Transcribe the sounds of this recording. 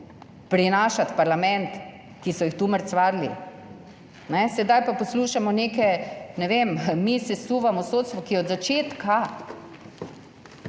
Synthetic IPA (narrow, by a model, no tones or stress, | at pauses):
pɾinaːʃat̪paɾlamɛnt̪ | kisɔjixt̪uməɾt̪sʋaːɾlḭ | nɛsɛd̪ajpapɔsluːʃamɔnekɛnɛʋemmisɛsuʋamɔsoːt̪st̪ʋɔkijɛɔd̪zat͡ʃeːt̪ka